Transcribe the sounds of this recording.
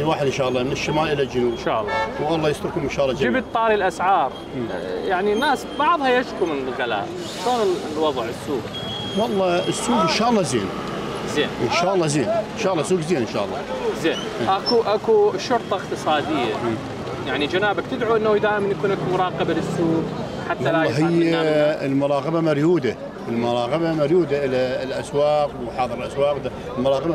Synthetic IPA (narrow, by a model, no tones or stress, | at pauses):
waːħəd̪ɪnʃaːʔlˤːɑmɪnɪʃːɪmaːlʔɪlald͡ʒʊnubnʃa̰ːʔlˤːɑwwɑlˤːɑːjɪst̪ɾkʊmɪnʃaːʔlːɑd͡ʒɪbt̪̚t̪ˤːɑːɾilʔasʕɑːɾˤ | jaʕninːaːsbɑʕðˤhɑjaʃkumɪnlɣala̰ːʔ | ʃoːnɪlwɑðˤʕəsːuːɡ | wɑlˤːɑəsːuːɡɪnʃaːʔɑlˤːɑzḛːn | zeːnʔɪnʃaːʔɑlˤːɑzeːnɪnʃaːʔlːɑsuːɡzeːnɪnʃa̰ːʔlˤːɑ̰zeː | ʔakuʔakuʃʊɾt̪ˤɑəqt̪ɨsˤɑːd̪ɪjːa | jaʕnid͡ʒanaːbak̚t̪ɪd̪ʕuʔənːad̪aːjɪmnjakuːnakmʊɾˤɑːqɑbalɪsːuːɡ | ħat̪wːaɑlaːɑɦɪjːaɪlmʊɾˤɑːɣɑbamaɾjuːd̪a | əlmʊɾˤɑːqɑbamaɾjuːd̪aʔɪlalʔaswɑːqwħɑːðˤɨɾɪlʔaswɑːqd̪a | lmʊɾˤɑːɣɑba